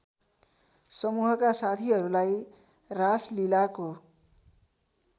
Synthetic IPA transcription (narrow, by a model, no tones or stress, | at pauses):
sʌmuɦʌkasat̪ʰiɦʌɾulaj | raslilako